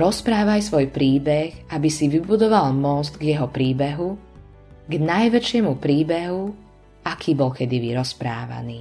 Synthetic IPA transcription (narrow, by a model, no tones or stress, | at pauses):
ɾɔspɾaːʋajsʋɔjpɾiːbɛɣabisiʋibud̪ɔʋalmɔzt̪ɡjɛɦɔpɾiːbɛɦu | ɡnajʋɛt͡ʃɪɛmupɾiːbɛɦu | akʰiːbɔlkɛd̪iʋiɾɔspɾa̰ːʋa̰niː